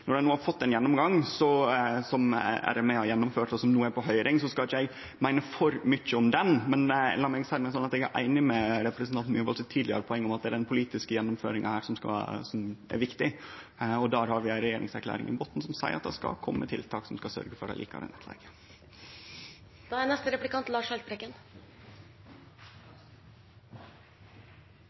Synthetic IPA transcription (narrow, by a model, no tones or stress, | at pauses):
nɔɖɛnuːhɑɾfɔt̪ːɛnjɛnːɔmɡɑŋsɔsɔmæ̰ɖɛmɛɑjɛnːɔmføːʈɔsɔmnuːəæɾpɔɦœʏɾʔɪŋsɔskɑlɪçːɛɡ | mæɪnəfɔɾmʏçːəɔmd̪ɛnmɛnlɑmɛɡsæɪɾmɛsɔnːɑt̪ɛɡæɾʔæ̰ɪnɪmɛɾɛpɾəsnt̪ɑnt̪myːʋɑlsət̪ʰiːd̪ɪə̰ɾəpʰɔɛŋːɔmɑt̪d̪ɛæɾɛnpʰʊliːt̪ɪskəjɛnːʊmføːɾɪŋə̰hæːɾʂɔmskɑ̰sɔmæ̰ɾʋɪkt̪ɪ | ɔd̪ɑːɾhɑɾʋɪæɪnɾɛjeːɾɪ̰ŋsæɾkʰlæ̰ːɾɪ̰ŋʔɪ̰bɔt̪ːn̩sɔmsæɪə̰ɾɑt̪̚d̪ɛskɑ̰kʰɔmːət̪ʰɪlt̪ʰɑːksɔmskɑsœ̰ɾɡəfɔɾɑ̰lḭːkʰɑ̰ɾə̰nɛ̰t̪ʰlɛ̰ɡə | d̪̥ɑænɛst̪əɾɛplɪkɑnt̪lɑːʂɛlt̪pʰɾɛɡən